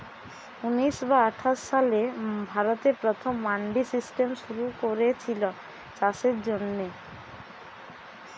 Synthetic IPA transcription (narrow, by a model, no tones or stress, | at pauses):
uniʃbaaʈʰaʃːalebʱaɾot̪epɾot̪ʰomːaɳɖisisʈemʃuɾukoɾet͡ɕʰilo | t͡ɕaʃeɾd͡ʑonːe